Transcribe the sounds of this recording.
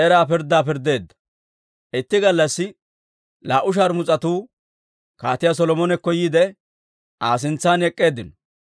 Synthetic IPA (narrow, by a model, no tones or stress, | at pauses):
ʔɛɾaːpɪɾd̪ːaːpɪɾd̪e̞ːd̪ːɐ̥ | ʔɪt̪ːɪɡɐlːɐsːɪ | laːʔʊʃ̬aːɾmʊt͡sʼɐt̪uː | kaːt̪ɪjas̬ɔlɔmɔnɛkːɔjiːd̪ɛ | aːs̬ɪnt͡sːaːnɛkʼːe̞ːd̪ːɪnɔ̥